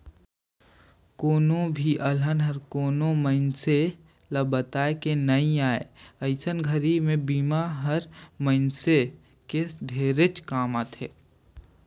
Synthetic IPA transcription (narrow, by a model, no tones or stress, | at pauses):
koːnõbʱiʔɐlənɦəɾkoːnõməɪnse | lɐbət̪aːekenɐĩaːeəɪsənɡʱəɾimẽbiːmaɦəɾməɪnse | kesɖʱeːɾet͡ʃkaːmãt̪ʰeː